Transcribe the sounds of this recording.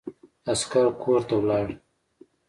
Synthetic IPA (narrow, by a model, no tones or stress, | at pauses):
askaɾkʰoɾt̪awlɑːɽ